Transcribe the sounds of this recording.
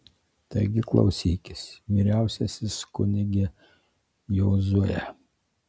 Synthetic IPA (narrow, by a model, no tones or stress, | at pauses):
t̪ɐɪɡʲɪklˠɐ̰ʊsʲiːkʲɪsʋʲiːɾʲæˑʊsʲɛsʲɪskʊnʲɪɡʲɛ | joːzuɔjɛ